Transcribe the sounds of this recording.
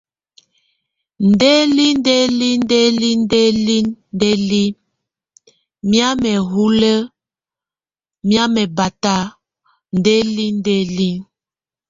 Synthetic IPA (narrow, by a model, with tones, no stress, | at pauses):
n̩˨de˦li˦n˦de˦li˦n˦de˦li˦n˦de˦li˦de˦li˦ | mja˦mɛ˨ɦu˦lə˦ | mja˦mɛ˨ba˨ta˦ | n̩˨de˦li˦n˦de˦li˦ŋ